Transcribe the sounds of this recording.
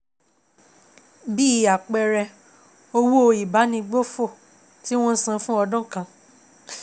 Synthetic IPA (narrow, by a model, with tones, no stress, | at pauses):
bi˦˨a˨k͡pɛ˧ɾɛ˧ | o˧wo˦o˧i˨ba˨˦nĩ˧ɡ͡bo˦fo˦˨ | ti˦w̃ɔ̃˦n̩˦sã˧˦fũ˦ɔ˧dɔ̃˦kã˧